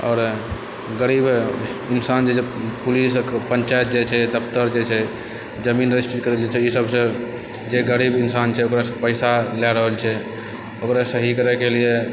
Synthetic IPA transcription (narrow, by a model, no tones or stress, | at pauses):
ɔːɾ | ɡəɾibinsand͡ʒʰed͡ʒepulispənt͡ʃajet̪̚d͡ʒet͡ʃʰɛd̪əpʰt̪əɾd͡ʒet͡ʃʰɛ | d͡ʒəminɾisʈit̪kəɾɛld͡ʒet͡ʃʰɛisəbsə̃ | d͡ʒeɡəɾibinsant͡ʃʰɛokɾasəpəɪsalɛɾəɦəlt͡ʃʰɛ | okɾasəɦikəɾɛkelie